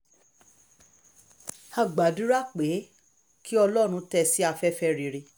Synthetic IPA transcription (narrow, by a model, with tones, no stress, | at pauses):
a˧˨ɡ͡ba˨du˨˦ɾa˦k͡pe˨˦ | kʰi˦ɔ˧lɔ˦ɾ̃ũ˧tɛ˧˨si˦a˧fɛ˦fɛ˧ɾi˨ɾi˧˨